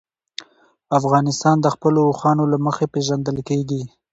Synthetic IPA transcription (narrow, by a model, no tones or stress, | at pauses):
afɣɑnɪst̪ɑnd̪əxpəlouxɑnolaməxepeʒand̪əlkeɡi